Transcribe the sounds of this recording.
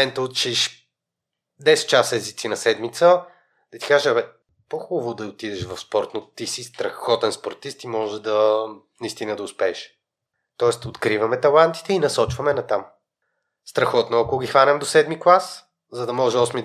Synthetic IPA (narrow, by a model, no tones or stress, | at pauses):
ɛnt̪əot̪t͡ʃiʃ | d̪ɛsɛ̥t̪̚t͡ʃasɛzit̪sinɐsɛd̪mit̪sə | d̪̥ɐt̪i̥kaʒɛɛ | poxubɐvod̪ɐot̪id̪ɛʃvɐfspɔɾt̪not̪isist̪ɾɐxɔt̪ɛnspoɾt̪ist̪imɔʒɛd̪ɐnɐist̪inəd̪ɐʊspɛɛʃ | t̪ɔɛst̪ot̪kɾivɐmɛt̪ɐlˠant̪i̥t̪ɛinɐsɔt͡ʃvɐmɛnɐt̪am | st̪ɾɐxɔt̪nʊɐkʊɡʲixvanɛmd̪osɛd̪miklˠas | zɐd̪ɐmɔʒɛɔsmi